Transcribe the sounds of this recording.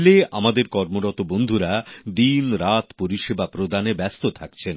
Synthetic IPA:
leʔa̰mad̪eɾkɔɾmoɾɔt̪obond̪ʱuɾad̪inɾat̪poɾiʃebapɾod̪anebɛst̪ot̪ʰakt͡ɕʰen

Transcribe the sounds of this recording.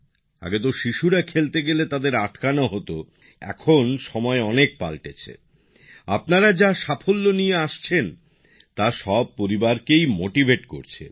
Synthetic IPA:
a̰ɡet̪̬oʃiʃuɾakʰelt̪eɡelet̪ad̪eɾaʈkanoɦot̪o | ɛ̰kʰonʃɔmɔeɔnek̚pa̰lʈet͡ɕʰḛ | apnaɾad͡ʑaʃafʰolːonijeaʃt͡ɕʰen | t̪aʃɔb̚poɾibaɾkejmoʈibʱeʈko̰ɾt͡ɕʰḛ

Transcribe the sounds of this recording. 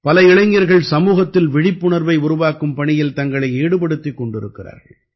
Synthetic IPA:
pɐlɐɪɭɐɪŋɡɐɾɣɐɭsɐmuːɣɐt̪ːɪlʋɪɽɪpːʊɳɐɾʋɐɪʊɾʊʋaːkːɯmpɐɳɪjɪlt̪ɐŋɡɐɭɐɪeːɽɯpɐɽɯt̪ːikːɔɳɖɪɾɯkːɪra̰ːɾɣɐɭ

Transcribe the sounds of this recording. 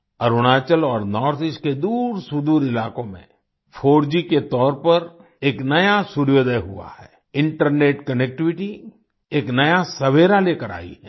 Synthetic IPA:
ɐɾʊɽ̃aːt͡ʃəlɔːɾnɔːɾt̪ɪʃked̪uːɾsʊd̪uːɾɪlaːkõmḛ̃ | fʰoːɾd͡ʒiket̪ɔːɾpɐɾ | eːknɐjasʊɾjoːd̪əjɦʊ̰a̰hɛː | ɪ̃ɳʈəɾneːʈkɐnek̚ʈɪʋɪʈi | eːknɐjasɐʋeːɾaleːkəɾa̰ːḭɦɛː

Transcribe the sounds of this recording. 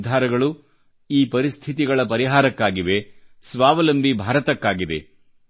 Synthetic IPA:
d̪ʱaːɾɐɡɐɭu | iːpɐɾist̪ʰit̪iɡɐɭɐpɐɾiɦaːɾɐkːaːɡiʋe̞sʋaːʋɐlɐmbʱibʱaːɾɐt̪ɐkːaːɡid̪ḛ

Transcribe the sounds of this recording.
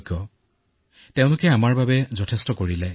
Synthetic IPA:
kɔ | teʊ̃lʊkɛamaɹbabɛzɔtʰestɔkoɹilɛ

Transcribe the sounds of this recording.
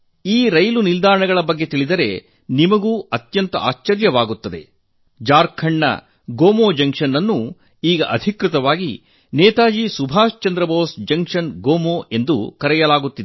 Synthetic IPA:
iːɾɐjlunild̪aːɾɐɳɐɡɐɭɐbɐɡːe̞t̪iɭid̪ɐɾe̞̰ | nimɐɡuːɐt̪jɐnt̪ɐ̰ʔa̰ːʃt͡ʃɐɾjɐʋaːɡut̪ːɐd̪e̞̰ | d͡ʒaːɾkʰɐɳːɐ̰ | ɡoːmoːd͡ʒɐŋʂɐnːɐnːu | iːɡɐʔɐd̪ʱikɾut̪ɐʋaːɡḭ | nɛːt̪aːd͡ʒisubʱaːst͡ʃɐnd̪ɾɐboːsd͡ʒɐŋkʂɐnɡoːmoːe̞nd̪ṵkɐɾɛjɐlaːɡut̪ːid̪e

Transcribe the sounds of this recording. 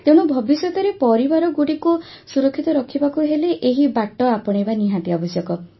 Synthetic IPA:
t̪ewɽ̃ɔbʱɔbisjɔt̪ɔɾepɔɾibaɾɔɡuɽiku | suɾɔkʰːit̪ɔɾɔkʰibakuɦeleʔeɦibaʈːɔapɔɽ̃ebaniɦãt̪iaɔbɔsjɔkɔ

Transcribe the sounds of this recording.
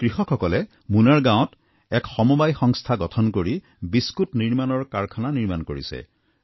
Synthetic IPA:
kɹixɔkʰːɔkɔlɛ | munaɹɡãw̃t | ɛkxɔmubajxɔŋstʰaɡɔtʰɔnkoɹi | biskutniɹmanɔɹkaɹkʰananiɹmankoɹḭsɛ̰

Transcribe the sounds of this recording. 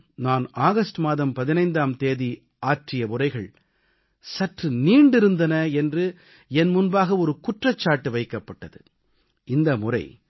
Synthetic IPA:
naːnaːɣɐsʈmaːðɐmpɐðɪnɐɪnd̪aːmt̪eːði | aːʈrɪjɐmʊrɐɪɣɐɭ | sɐʈrɯniːɳɖɪɾɯnd̪ɐnɐɛndrɯ | ɛnmʊnbaːɣɐɔɾɯkʊʈrɐt͡ʃːaːʈːɯʋɐɪkːɐpːɐʈːɐðɯ̰ | ɪnd̪ɐmʊrɐ̰ɪ

